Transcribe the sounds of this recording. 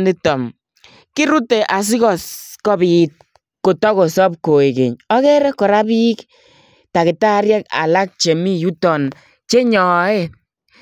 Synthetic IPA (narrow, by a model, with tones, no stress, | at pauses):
ndi˦tɔ˨m | ki˦ɾu˦te˨ʔa˨s̬i˦kɔ˨skɔ˦bi˨˦t̚ | ko˨tɔ˦ko˨sɔ˦p̚ko˨e˨kḛ˨ɲɔ˦kɛ˦ɾɛ˦kɔ˨ɾa˦bi˦k | ta˨kɪ˨ta˦ɾjɛ˦ka̰˨la˦k̚t͡ʃe˨mi˦ju˦tɔ˨n | t͡ʃe˦ɲɔ˨˦e˦